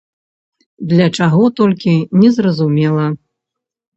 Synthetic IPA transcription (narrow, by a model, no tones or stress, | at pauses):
d̪lʲɐt͡ʂaɣɔt̪ɔlʲkʲinʲɛzɾɐzumʲɛlˠɐ